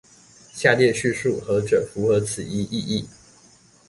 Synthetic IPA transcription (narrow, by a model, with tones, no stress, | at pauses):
ɕja˥˧ljɛ˥˧ɕy˥˧ʂu˥˩xɤ˧˥ʈ͡ʂɤ˨˩fu˧˥xɤ˧˥t͡sʰɹ̩˨˩i˥ʔi˥˧i˥˩